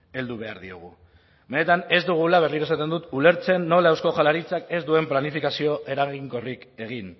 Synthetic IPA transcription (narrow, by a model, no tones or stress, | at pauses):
e̞ld̪uβ̞e̞a̰ɾðio̰ɣ̞u | be̞ne̞t̪ane̞zd̪uɣ̞ulaβ̞e̞rlinaesat̪e̞nd̪ut̪ule̞ɾt͡se̞nːo̞laewsko̞ʝalaɾit͡sake̞zd̪ue̞mplanifikasio̞ʔe̞ɾaɣiŋko̞rike̞ɣ̞in